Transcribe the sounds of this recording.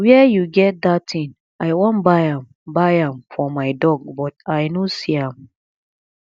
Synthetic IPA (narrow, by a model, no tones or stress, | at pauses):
wiɛjuɡɛt̚d̪att̪ĩŋ | aɪwɔ̃nbaɪãm | baɪãmfɔmaɪdɔɡ̚bɔtaɪnosiãm